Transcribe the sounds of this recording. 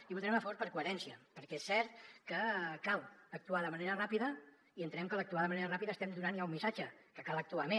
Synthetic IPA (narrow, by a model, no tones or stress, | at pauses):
iβut̪ɾɛməfəβoɾpəɾkuəɾɛnsiəpəɾkɛesːɛɾt̪kəkalˠək̚t̪uaðəməneɾərapiðə | iənt̪ənɛmkəlˠək̚t̪uaðəməneɾərapiðəːst̪ɛmd̪unanjaumːisad͡ʒəkəkalˠək̚t̪uame